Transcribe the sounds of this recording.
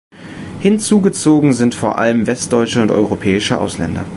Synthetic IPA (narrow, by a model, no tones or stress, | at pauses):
hɪnt͡suːɡət͡soːɡŋ̩zɪntfoːɐʔa̰ləmvɛst̚d̥ɔʏt͡ʃəʊntʔɔ̰ʏʁopʰɛːɪʃəʔa̰ʊslɛ̰ndɐ̰